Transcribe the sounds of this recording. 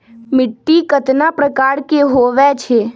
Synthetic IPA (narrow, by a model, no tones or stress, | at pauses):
mɪʈːikət̪napɾəkaːɾkeɦoʋɛt͡ʃʰe